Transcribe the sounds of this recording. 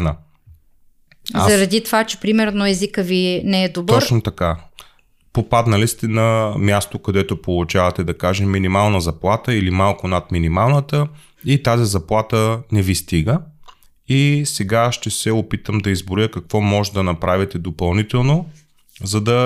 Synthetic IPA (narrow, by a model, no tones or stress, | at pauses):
na | zɐɾɐd̪it̪ovat͡ʃɛ̥pɾimɛɾnoɛzikəvinɛɛd̪ob̪əɔt͡ʃnot̪ɐka | popad̪nəlist̪ɛnɐmʲjast̪okɐd̪ɛt̪opolˠʊt͡ʃavɐt̪ɛd̪ɐkaʒɛmmːinimalˠnəzɐplˠat̪əilimalˠkʊnat̪minimalˠnət̪ə | it̪azizɐplˠat̪ənɛvist̪iɡə | isɛɡaʃt̪ɛsɛopit̪əmd̪ɐizbɾʊjəkɐkvɔmɔʒɛd̪ɐnɐpɾavit̪ɛd̪opɐlˠnit̪ɛlˠno | zɐd̪ɐ